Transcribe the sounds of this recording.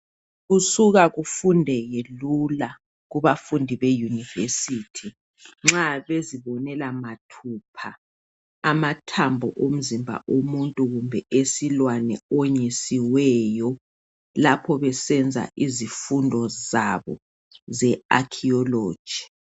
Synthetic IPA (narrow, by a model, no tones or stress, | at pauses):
ɣusuɣaɣufundʱɛjelula | ɣuβafundʱiβejunivḛsitʰi | ŋ͡ǁaβeziβɔnɛlamatʰuːpʰaː | matʰambʱɔʔom̩zimbʱa̰ʔomuntʼuɣumbʱɛʔesilwanɛ̰oɲisiwɛjɔ | lapʰɔβɛsɛnd͡zʱa̰ʔizifundʱɔzaβɔ̰ | zɛakʰiɔloːd̥ʒ̥ʱi